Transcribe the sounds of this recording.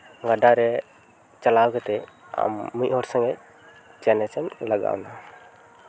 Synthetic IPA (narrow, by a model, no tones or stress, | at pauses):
ɡaɖaɾɛ | t͡ʃalawkɛt̪ɛ | a̰mːuʔhɔɾsə̃ŋɡɛ | t͡ʃɛnɛsɛnlaɡa̰wna